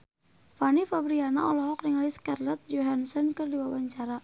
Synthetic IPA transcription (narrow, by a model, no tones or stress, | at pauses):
fanifabɾiana̰ɔlɔɦɔknɪŋliskarlɛt̪̚d͡ʒoɦansənkərdiwawaɲt͡ʃaɾa